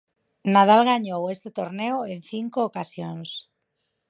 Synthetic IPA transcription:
nað̞alɣaɲowest̪et̪oɾneoenθiŋkoːkasjons

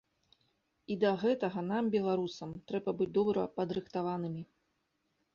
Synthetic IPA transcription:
id̪ɐɣɛt̪ɐɣɐnambʲɛlˠaɾusɐmt̪ɾɛbɐbɨd͡zʲd̪ɔbɾɐpɐd̪ɾɨxt̪avanɨmʲi

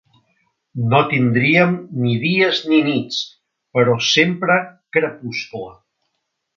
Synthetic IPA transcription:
not̪ind̪ɾiəmniðiəzninit͡s | pəɾɔsempɾəkɾəpusklə

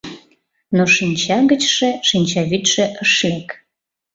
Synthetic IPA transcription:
noʃinʲt͡ɕɑɣət͡ɕʃĕʃinʲt͡ɕɑβyt̪ʃĕʔəʃlek

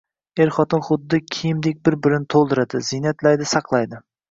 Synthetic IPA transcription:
eɾχɒt̪ɪnχʊd̪ːɪkʲʰijɪmd̪ek̚ʲbɪɾbɪɾɪnɪt̪ʰolˠd̪ɪɾad̪ɪzɪnat̪lajd̪ɪsɑqlˠajd̪ɪ

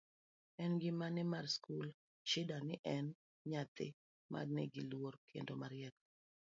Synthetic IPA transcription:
ɛnɡɪmanɪmaɾskul | t͡ʃɪdanɪʔɛn | ɲat̪ɪ̰ | ma̰rnḛɡilworkʰḛndomaɾɪɛt̪

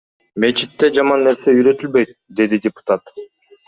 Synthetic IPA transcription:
me̞t͡ʃit̪ːe̞d͡ʒɑmɑnːe̞ɾse̞yjɾø̞t̪ylbø̞jt̪̚d̪e̞d̪idʲɪpu̥t̪at̪

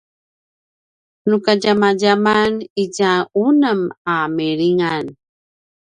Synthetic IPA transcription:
nukaɟamaɟamaniɟaunəmamiɾiŋan

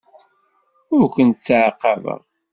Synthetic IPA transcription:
ʊɾkʷənt̪t͡sːʕqːɑvə̰ʁ

